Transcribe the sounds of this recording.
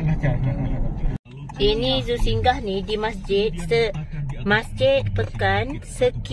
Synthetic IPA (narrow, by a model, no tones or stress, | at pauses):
ʔinizusiŋɡahnidimasd͡ʒɪt̪̚səmasd͡ʒɪt̪̚pəkansək